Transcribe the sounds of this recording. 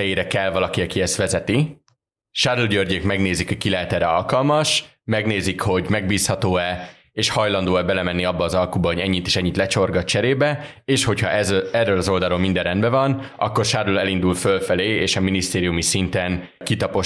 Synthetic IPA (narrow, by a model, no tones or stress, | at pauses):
ɛjeːɾɛkɛlvɒlɒkiɒkiɛst̪ʋɛzɛt̪i | ʃaːɾulɟørɟeːkmɛɡneːzikɒkilɛɦɛt̪ɛɾɛɒ̰lkɒlmɒʃ | mɛɡneːzikho̞ɟmɛɡ̚biːshɒt̪oːɛ | eːʃhɒjlɒnd̪oːɛbɛlɛmɛnːiɒbːɒːzɒlkubɒɦo̞ɟɛɲːit̪e̥ʃɛɲːit̪lɛt͡ʃo̞rɡɒtt͡ʃɛɾeːbɛ | eːʃho̞chɒʔɛzɛrːøːlɒzo̞ld̪aːɾoːlmind̪ɛrɛnd̪bɛvɒnʔɒ̰kːo̞rʃaːɾulɛlind̪ulfølfɛleːeːʃɒminist̪eːɾijumisint̪ɛn | kit̪ɒpo̞